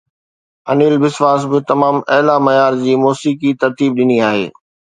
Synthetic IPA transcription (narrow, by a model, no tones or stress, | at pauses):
ɐniːlbɪsʋaːs̬bɪt̪ɐmaːmɐɦlamɐjaːɾd͡ʑiːmoːsiːkit̪ɐɾt̪iːb̚ɗɪniaːɦḛː